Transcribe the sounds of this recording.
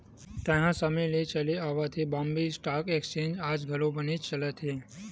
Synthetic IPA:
ʈəɦãsəmelet͡ʃəleaʋat̪ʰibãmbisʈaːkekst͡ʃẽːnd͡ʒaːd͡ʒɡʱəlobənet͡ʃələt̪ʰɦe

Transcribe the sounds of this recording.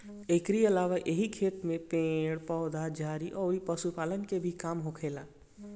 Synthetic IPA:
ekɾiəlaːʋaʔeɦikʰeːt̪mẽpẽːɽpɔʊd̪ad͡ʒaːɾiʔɔːɾipəsupaːlənkebʱikaːmɦokʰeːlaː

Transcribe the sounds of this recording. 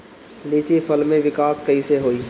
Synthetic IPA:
lit͡ʃifʰəlmẽʋɪkaːskəɐiseɦoːiː

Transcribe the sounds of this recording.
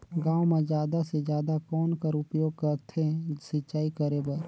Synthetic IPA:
ɡãːwmẽd͡ʒjaːd̪ased͡ʒjaːd̪akɔːnkəɾʊpjoːɡ̚kəɾ̚t̪ʰẽsɪt͡ʃaːikəɾebəɾ

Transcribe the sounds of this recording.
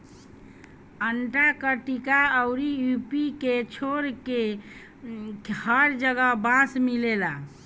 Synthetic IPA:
əɳʈakəʈikaəʊɾijupiket͡ʃʰoɾke | həɾd͡ʒəɡəbãsmilela

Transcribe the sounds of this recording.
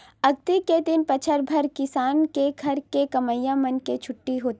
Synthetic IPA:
ɐɡ̚t̪iked̪ɪnpɐt͡ʃʰəɾbʱɐɾkɪsaːnkeɡʰʱɐɾkekɐməjːãmɐnket͡ʃʰʊʈːiɦoːt̪

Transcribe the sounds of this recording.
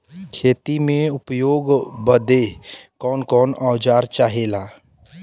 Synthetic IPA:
kʰeːt̪imẽʊpjoːɡbəd̪ekɔːnkɔːnaːwd͡ʒaːɾt͡ʃaːɦelaː

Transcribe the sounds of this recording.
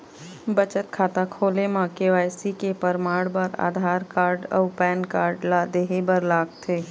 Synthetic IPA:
bət͡ʃət̪kʰaːt̪akʰoːlemãkeʋaːjsikepəɾmaːɽbəɾa̰ːd̪ʱaːɾkaːɾɖɔ̰ːpɛ̃ːnkaːɾɖlad̪eːɦebəɾlaːɡt̪ʰeː

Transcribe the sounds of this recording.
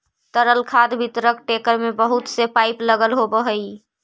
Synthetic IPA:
t̪əɾəlkʰad̪bʱit̪ɾəkʈekəɾmebəɦut̪sepajpləɡəlɦobəɦəj

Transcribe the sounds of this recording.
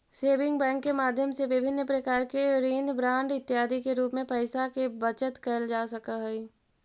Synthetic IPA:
seːbɪ̃ŋɡbɛ̃ːŋkːemaːd̪ʱjəmseʋɪbʱɪnːpɾəkaːɾkeɾiːnd̪bɾãːɳɖɪt̪ːjaːd̪ʱikeɾuːpmẽpəɪsakebɐt͡ʃət̪kɛld͡ʒaːsɐkaɦɛi

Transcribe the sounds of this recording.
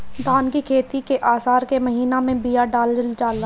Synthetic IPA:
d̪aːnkikʰeːt̪ikeʔaːsaːɾkemɐɦiːnamẽbijaɖaːlɖɪld͡ʒaːl

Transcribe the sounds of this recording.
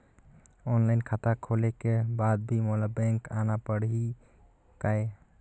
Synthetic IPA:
ɔnlaɪnkʰat̪akʰolekebad̪̚bʱimolabɛ̃ŋkanapəɽi | kaj

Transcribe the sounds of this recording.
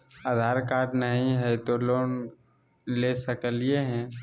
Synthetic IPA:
ad̪ʱaːɾkaːɾʈnəɦĩɦɛt̪oloːn | leːsəklɪeɦɛ̃ː

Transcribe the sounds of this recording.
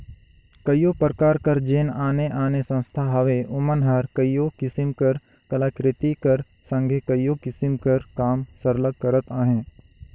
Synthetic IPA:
kəjoːpɾəkaːɾkəɾd͡ʒeːnaːneʔaːnesə̃nst̪ʰaɦɐʋeʔʊmənɦaːɾkəjoːkɪsɪmkɐɾ | kɐlaːkɾɪt̪ikɐɾ | sə̃ŋɡʱekəjoːkɪsɪmkɐɾkaːmsəɾləɡ̚kəɾət̪aːɦẽː

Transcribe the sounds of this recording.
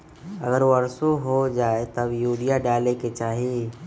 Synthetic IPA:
əɡəɾʋəɾsoɦod͡ʒaːet̪əbjuːɽijaɖaːleket͡ʃaːɦii

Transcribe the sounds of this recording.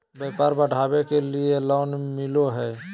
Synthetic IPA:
bepaɾbəɽ̤ʱabekelielɔːnmɪloɦɛː

